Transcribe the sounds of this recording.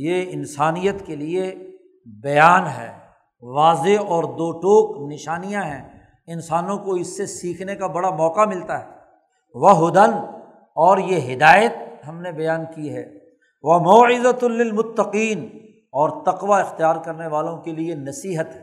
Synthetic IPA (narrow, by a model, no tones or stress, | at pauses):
jeːɪnsaːnijət̪kelie | bɐjaːnɦɛ̰ː | ʋaːzeɔːɾd̪oːʈoːknɪʃaːnijãɦɛ̃ː | ɪnsaːnõkoɪsːesiːkʰnekabɐɽamɔːqamɪlt̪aɦɛː | ʋɐɦʊd̪ən | ɔːɾjeɦɪd̪aːjət̪̚ɦɐmnebɐjaːnkiɦɛ̰ː | ʋɐmoːʕɪzɐlɪlmʊt̪ːɐqiːn | ɔːɾt̪ɐqʋaɪxt̪ijaːɾkɐɾneʋaːlõkelienɐsiːɦət̪ɦɛ